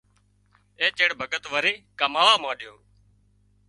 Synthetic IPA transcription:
eːt͡ʃeːɽbʱəɠət̪ʋəɾeːkəmaːʋaːmãːɗɪjoː

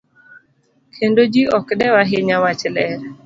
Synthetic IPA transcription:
kʰendod͡ʒiɔkdɛwaɦɪɲawat͡ʃlɛɾɛ

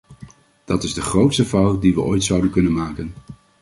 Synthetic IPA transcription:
d̥ɑtɪzdəχrowtstəvawldiʋəʔojtsʌwdənkɵnənmaːkən

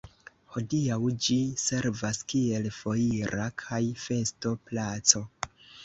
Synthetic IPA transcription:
ho̞diawd͡ʒise̞ɾvaskie̞lfo̞iɾʔakʰajfe̞sto̞plat͡so̞

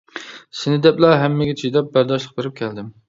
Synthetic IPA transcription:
sɪnɪd̪ɛplɛɦɛmːɪɡʲɛt͡ʃʰijd̪ɛp̚bæɾd̪ɑʃlˠəq̚beɾɪp̚kʲʰɛld̪ɪm

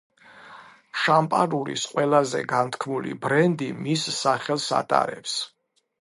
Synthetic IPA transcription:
ʃampʼaɾuɾḭsqʼwɛlazɛ̰ɡant̪ʰkʰmulḭbɾɛnd̪imisːaχɛlˠsa̰t̪ʼa̰ɾɛps

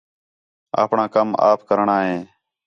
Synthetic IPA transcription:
a̰ːpɳãːkəma̰ːpʰkəɾɳaːɦẽː

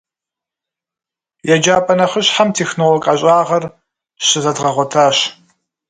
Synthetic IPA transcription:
jɛd͡ʒaːpʼɐnɐχəɕħamtʰeːxnowɔkʼaɕʼaːʁɐr | ɕɨzɐdʁɐʁʷɔtʰaːɕ

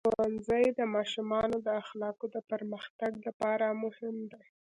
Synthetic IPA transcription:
oanzəjd̪əmɑʃumɑnod̪əaxlɑkod̪əpəɾməxt̪aɡlapɑɾamʊhɪmd̪e

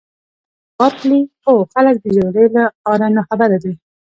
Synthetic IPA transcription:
wɑt̪lixoxalək̚d̪əd͡ʒaɡɽelaɑɾanaxabaɾad̪i

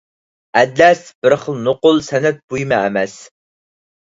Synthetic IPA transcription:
æd̪læsb̥ɨɾχəlnʊqʊlsænæt̪̚b̥ujmææmæs

